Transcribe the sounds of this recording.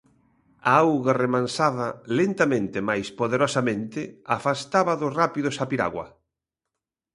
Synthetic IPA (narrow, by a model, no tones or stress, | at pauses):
aawɣaremãnsaðɐlent̪amẽnt̪ɪemajspoðeɾɔsamẽnt̪ɪafast̪aβɐðʊsrapiðʊsapiɾa̰ɣwɐ̰